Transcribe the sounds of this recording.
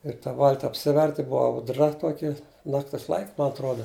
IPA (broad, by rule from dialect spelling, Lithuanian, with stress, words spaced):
ɪr tɐ ˈʋɐlʲtʲɪ ɐpʲˈsʲɪʋʲɛrʲtʲɪ ˈbʊʋɐ ɐʊˈdrɐ ˈtuɔkʲɪ ˈnɑːktʲɪs lˠɐɪkʲ mɐ ɐtˈruɔdɐ